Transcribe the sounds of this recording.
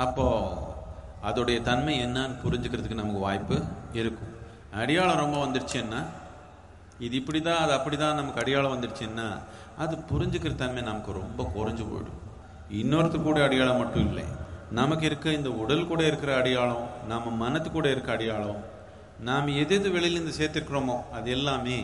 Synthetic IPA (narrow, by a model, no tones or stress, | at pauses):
ɐpːoː | ɐðɯɽɐjɐt̪ɐnmɐɪɛnːaːnɯpʊɾɪɲd͡ʒɯkːɪɾɐðɯkːɯnɐmɐkːɯʋaːjpːɯɪɾɯkːʊ̃ | ɐɽɪjaːɭɐ̃ɾɔmbɐʋɐnd̪ɯɽɯt͡ʃːɪɛnːaː | ɪðɯɪpːɐɽit̪ãːɐðɯɐpːɐɽit̪ãːnɐmɐkːɐɽɪjaːɭɐ̃ʋɐnd̪ɯɽɯt͡ʃːɪɛnːa̰ː | ɐðɯpʊɾɪɲd͡ʒɯkːɪɾɐt̪ːɐnmeːnɐmɐkːɯɾɔmbɐkʊɾɐɲd͡ʒɯpo̰jɽɯ̰̃ | ɪnːoːɾɐt̪ːɯkːuːɽɐɐɽɪjaːɭɐ̃mɐʈːʊ̃ɪlːɐ̰nɐmɐkːɪɾɯkːɯɪnd̪ɐʊɽɐlkuːɽɐɪɾɯkːɪɾɐːɽɪjaːɭɐ̃nɐmːɐmɐnɐt̪ːɯ̥kːuːɽɐɪɾɯkːɐɐɽɪjaːɭɐ̃ | naːmɐɛðeːðɯʋɛɭɪjɪlɪnd̪ɐseːɾt̪ːɪɾɯkːɪɾomõːɐðɛlːaːmeː